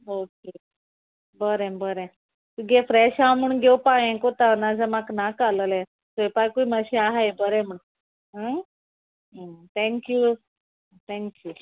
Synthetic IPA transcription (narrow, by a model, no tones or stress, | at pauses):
oke | bəɾɛ̃bəɾɛ̃ | t̪uɡɛfɾɛɕamuɳɡʱewpajɛ̃kot̪anad͡zamaknakaləlɛ̃ | t̪əpajkuimaɕiaɦajbəɾɛ̃muɳ | ɦə | t̪ʰɛ̃ŋkjuː | t̪ʰɛ̃ŋkjuː